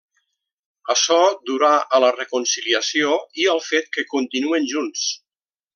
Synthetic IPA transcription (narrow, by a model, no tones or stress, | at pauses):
əʃɔd̪uɾaʔələrəkunsiliəsioiəlˠfet̪̚kəkunt̪inuenʒuns